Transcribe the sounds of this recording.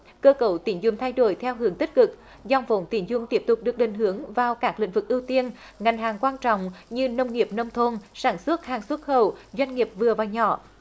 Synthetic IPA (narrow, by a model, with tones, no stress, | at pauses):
kəː˧kə˧˩˦wt̪i˨˧˩ənzʊ˨˧˩ŋ͡mt̪ʰa˧jɗo˧˩jt̪ʰɛ˧wɦɨ˨˦əŋt̪ï˦˥k̟̚kɨ˨˩k̚ | zɔ˧˩wŋ͡mfo˨˦nt̪i˧˩ənzʊ˨˧˩ŋ͡mt̪i˦˥əp̚t̪ʊ˨˩k͡p̚ɗɨ˨˩ək̚ɗï˨˩ŋ̟ɦɨ˨˦əŋvaː˨˩wkaː˦˥k̚lḭ˧˥ŋ̟vɨ˨˩k̚ʔi˧wt̪i˧ən | ŋa˨˩jŋ̟ɦaː˨˩ŋkwaː˧nt͡ɕɔ̰˧˨wŋ͡mɲɨ˧nə˧wŋ͡mŋi˨˩əp̚nə˧wŋ͡mt̪ʰo˧nsaː˧˩nswə˦˥t̚haː˨˩ŋswə˦˥t̚xə˧˩wzwa˧jŋ̟ŋi˨˩əp̚vɨ˨˩əvaː˨˩ɲɔ̰˧˩˦